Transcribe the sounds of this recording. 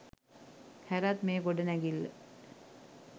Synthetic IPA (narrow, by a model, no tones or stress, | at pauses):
hæɾat̪meːɡoɖənæɡilːə̰